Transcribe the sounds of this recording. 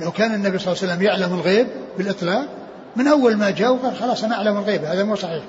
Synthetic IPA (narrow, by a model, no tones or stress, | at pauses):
lawkaːnɪnːabisˤɑlːsalːamjaʕlamɪlɣeːbːɪlʔɨt̪ˤlɑːq̚ | mɪnʔawːalmad͡ʒaːwfɑɾˤxɑlɑːsˤʔanaʔaʕlamɪlɣeːbahaːðamuːsˤɑħiːħ